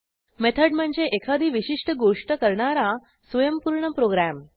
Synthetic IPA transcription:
met̪ʰəɖm̤əɳd͡zeʔekʰad̪ʱiːʋiɕiʂʈəɡoʂʈəkəɾɳaɾa | sʋəjəmpuɾɳəpɾoɡɾæm

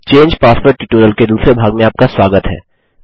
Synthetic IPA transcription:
t͡ʃẽːɲd͡ʒpaːspəɾʈːiʈuːɾəlked̪uːsɾebʱaːɡmẽaːp̚kaswaːɡət̪ɦɛ̰ː

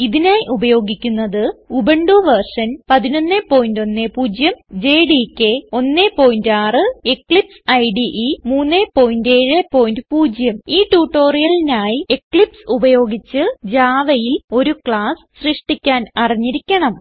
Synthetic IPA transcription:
iðinaːjiʔubɐjo̞ːɡikʲːunːɐðɨubeɳɖuːʋɐrʂɐnpɐðino̞nːepːo̞ːjindo̞nːepuːd͡ʑjɐmd͡ʑe̞ːɖikʲːeo̞nːepo̞ːjindaːrɨekɭipsɐjɖiʔimuːnːepo̞ːjinde̞ːɻepːo̞ːjndɨpuːd͡ʑjɐmiːʈuːʈːo̞ːrijɐlinaːjiekɭipsubɐjo̞ːɡit͡ɕːɨd͡ʑaːʋɐjilo̞ɾukɭaːs | ɕriʂʈikʲːaːnɐriɲːiɾikʲːɐɳɐm

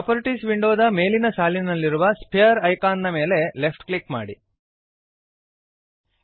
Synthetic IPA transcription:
pɐpoɾiʈisʋiɳɖoːd̪ɐme̞ːlinɐsaːlinɐlːiɾuʋɐspʰejɐɾɐjkaːnːɐme̞ːle̞lepʰʈklikma̰ːɽḭ

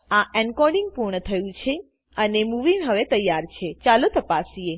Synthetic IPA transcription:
aʔɛnkɔɾɖiŋɡ̚puɾɳət̪ʰəjũt͡ʃʰe | ənemuʋinɦəʋet̪əjːaɾt͡ʃʰet͡ʃalot̪əpasie

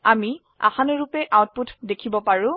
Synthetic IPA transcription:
ami | a̰xanɔɹupɛʔawt̚putʰdekʰibɔpaɹʊ̃

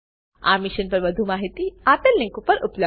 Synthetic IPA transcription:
a̰mɪʃənpɐɾʋəd̪ʱumaɦit̪iat̪əlnɪ̃ŋkupəɾʊplə

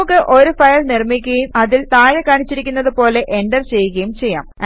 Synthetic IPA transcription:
ukːɨʔo̞ɾufɐjɐlnirmikʲːɐjumɐðilt̪aːɻɐkaːɳit͡ɕːiɾikʲːunːɐðupo̞ːle̞ʔeɳɖɐrt͡ɕe̞jːuɣɐjumt͡ɕe̞jːa̰ːm

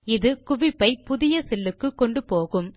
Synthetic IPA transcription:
ɪðɯkʊʋɪpːɐɪpʊðɪjɐsɛlːɯkːɯkːɔɳɖɯpoːɣɯm

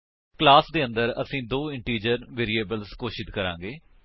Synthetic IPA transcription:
klaːsd̪eːə̃nd̪əɾə̰sĩːd̪oːɪɳʈiːd͡ʒəɾʋeːɾiːeːbəlskoːʃɪt̪kəɾã̰ːŋɡeː

